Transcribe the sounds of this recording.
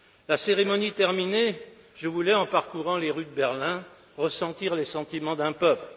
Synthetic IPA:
laseʁemɔnit̪ɛʁmine | ʒəvulɛɑ̃paʁkuʁɑ̃leʁyd̪əbɛʁlɛ̃ | ʁəsɑ̃t̪iʁlesɑ̃t̪imɑ̃d̪ɛ̃pœpl

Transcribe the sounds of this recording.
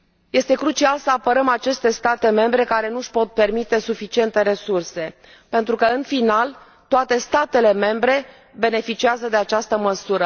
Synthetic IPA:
je̞st̪e̞kɾut͡ʃialsəapəɾəmat͡ʃe̞st̪e̞st̪at̪e̞me̞mbɾe̞kaɾe̞nuʃpo̞t̪̚pe̞rmit̪e̞sufit͡ʃie̞nt̪e̞ɾe̞surse̞ | pe̞nt̪ɾukəɨnfinal | t̪oat̪e̞st̪at̪e̞le̞me̞mbɾe̞ | be̞ne̞fit͡ʃiazəd̪e̞at͡ʃast̪əməsuɾə

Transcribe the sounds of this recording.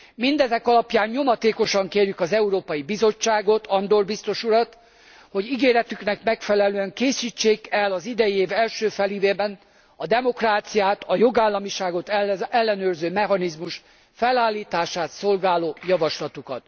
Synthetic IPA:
mind̪ɛzɛkɒlɒpjaːɲɲo̞mɒt̪eːko̞ʃɒŋkeːrjykɒzɛuɾoːpɒjibizo̞t͡ʃːaːɡo̞t̪ʰɒnd̪o̞rbist̪o̞ʃuɾɒt̪ | ho̞ɟiɡeːɾɛt̪yknɛkmɛkfɛlɛløːɛŋkeːsiːt͡ʃːeːkɛlɒzid̪ɛjieːvɛlʃøːfɛliveːbɛn | ɒd̪ɛmo̞kraːt̪sijaːt̪ʰɒjo̞ɡaːlːɒmiʃaːɡo̞t̪ɛɛlːɛnøːrzøːmɛɦɒnizmuʃ | fɛlaːlːiːt̪aːʃaːt̪so̞lɡaːloːjɒvɒʃlɒt̪ukɒ̰t̪

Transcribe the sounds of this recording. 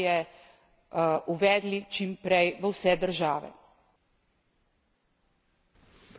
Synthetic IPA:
ɛ | ʔuʋɛːd̪lit͡ʃimpɾɛjʋəwsɛd̪əɾʒaːʋɛ̰

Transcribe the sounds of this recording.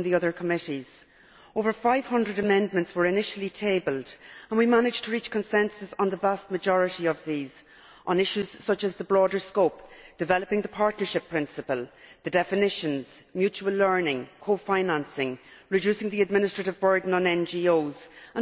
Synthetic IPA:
nðiʌðə˞kʰəmɪɾiz̥ | oʊvə˞faɪv̥hʌ̃ndɹəɾəmɛ̃ndmə̃ntswə˞ɪnɪʃəlitʰeɪbəlˠdə̃nwimanɪd͡ʒ̥tʰəɹit͡ʃkʰə̃nsɛ̃nsəzn̩ðəvast̚məd͡ʒɔɹɨɾiəvðiːz | ʔə̃nɪʃʉz̥sʌt͡ʃəzðəbɹɔːɾə˞skoʊpd̥ɨvɛləpɪ̃ŋðəpʰaɹtⁿnə˞ʃɪpʰːɹ̥ɪ̃nsəpəlˠðədɛfɪnɪʃə̃nz̥mjʉt͡ʃuəlːɜ˞nɪ̃ŋkʰoʊfãɪ̃nãnsɪ̃ŋɹɪd͡ʒʉsɪ̃ŋðiəd̚mɪ̃nɪstɹ̥əɾɪvbɜ˞dⁿn̩ə̃nɛ̃nd͡ʒioʊzə̃

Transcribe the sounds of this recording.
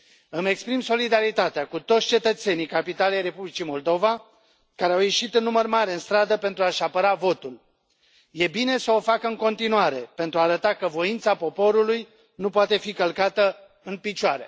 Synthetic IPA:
ɨme̞kspɾimso̞lid̪aɾit̪at̪eakut̪o̞t̪sʲt͡ʃe̞t̪ət̪se̞nijkapit̪alejre̞publit͡ʃimo̞ld̪o̞va | kaɾeawje̞ʃit̪ɨnːumərmaɾeɨnst̪ɾad̪əpe̞nt̪ɾuaʃapəɾavo̞t̪ul | je̞bine̞səo̞fakəɨŋko̞nt̪inuaɾe̞pe̞nt̪ɾuaːɾət̪akəvo̞int̪sapo̞po̞ɾuluj | nupoat̪e̞fikəlkat̪ə | ɨnpit͡ʃoaɾe̞̰

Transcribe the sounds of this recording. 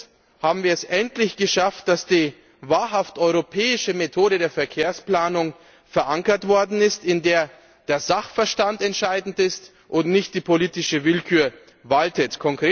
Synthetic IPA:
haːbm̩viːɐɛsʔɛntlɪçɡ̥əʃaft̚d̥asd̥iː | vaːɐɦaftɔʏʁopʰɛːɪʃəmetʰoːɾədeːɐfɛɐkʰeːɐsplaːnʊŋ | fɛɐʔaŋkɐtv̥ɔɐdn̩ɪstɪndeːɐ | d̥eːɐzaχfɐʃtantɛntʃaɪdn̩tɪst | ʔʊntnɪçtd̥iːpʰoliːtɪʃəvɪlkʰyːɐ | valtətkʰɔŋkʁ̥eː

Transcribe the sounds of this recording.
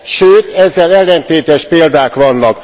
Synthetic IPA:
ʃøːt̪ɛzːɛlɛlːɛnt̪eːt̪ɛʃpeːld̪aːkʋɒnːɒk

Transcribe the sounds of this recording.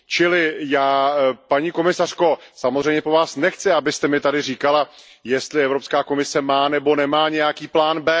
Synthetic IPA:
t͡ʃɪlɪjaːpaɲiːko̞mɪsar̥ko̞samo̞zr̝ɛjmɲɛpo̞vaːsnɛxt͡sɪabɪst̪ɛmɪt̪adɪriːkala | jɛst̪lɪɛvɾo̞pskaːko̞mɪsɛmaːnɛbo̞nɛmaːɲɛjakiːplaːnbɛː

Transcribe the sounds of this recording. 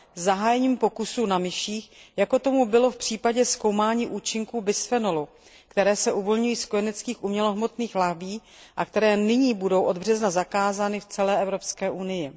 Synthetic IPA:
zaɦaːjɛɲiːmpo̞kusunamɪʃiːxjako̞t̪o̞mubɪlo̞fpr̝̥iːpaɟɛsko̞wmaːɲiːʔuːt͡ʃɪŋkuːbɪsfɛnolu | kt̪ɛɾɛːsɛʔuvo̞lɲujiːsko̞jɛnɛt͡skiːxʔumɲɛloɦmo̞t̪niːxlaɦbiː | ʔakt̪ɛɾɛːnɪɲiːbudo̞wʔo̞d̪br̝ɛznazakaːzaːnɪft͡sɛlɛːʔɛvɾo̞pskɛːʔunɪjɪ

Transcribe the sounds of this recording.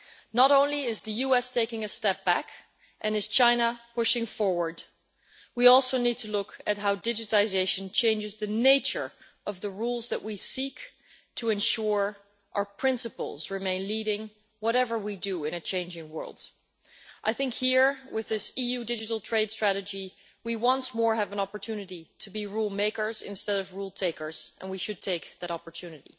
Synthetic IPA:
nəɾõʊ̃nliɪzðɨjuɛstʰeɪkɪ̃ŋɨstɛp̚b̥æk | ʔɨ̃nɨz̥t͡ʃʰãɪ̃nəpʊʃɪ̃ŋfɔɹwə˞d | wiɔlˠsoʊnid̚tʰɨlʊkɨt̚ɦaʊdɪd͡ʒɨɾl̩ˠɨzeɪʃɨ̃n̩t͡ʃʰẽɪ̃nd͡ʒɨzðɨneɪt͡ʃə˞ | ʔʌvðɨɹulˠzðɨʔwisik | tʰɨɨ̃nʃʊɹ | ʔa˞pʰɹ̥ɪ̃nsɨpl̩ˠzɹɨmẽɪ̃nliɾɪ̃ŋ | wʌɾɛvə˞widɨɪ̃ñɨt͡ʃʰẽɪ̃nd͡ʒɪ̃ŋwɜ̰˞lˠd̥ | ʔaɪθɪ̃ŋkhiɹwɪðɪsijʉdɪd͡ʒɨɾl̩ˠtʰɹ̥eɪd̥stɹ̥æɾɨd͡ʒi | wiwʌ̃nsmɔɹɨvə̃nɑpə˞tʰʉnɨɾiɾɨbiɹulˠmeɪkə˞zɪ̰̃nstɛɾʌvɹulˠtʰeɪkə˞z̥ʔə̰̃nwiʃɨd̚tʰeɪk̚ðɨɾɑpə˞tʰʉnɨɾḭ

